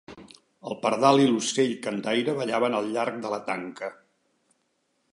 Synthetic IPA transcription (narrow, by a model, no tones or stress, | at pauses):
əlˠpəɾðaliluseʎkənd̪ajɾəβəʎaβənəlˠʎaɾk̚d̪ələt̪a̰ŋkə